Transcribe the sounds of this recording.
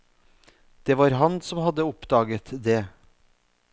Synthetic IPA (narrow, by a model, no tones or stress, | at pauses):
d̪̥eːʋɑːɾɦɑnsɔmhɑd̪əʊpd̪ɑːɡət̪d̪eː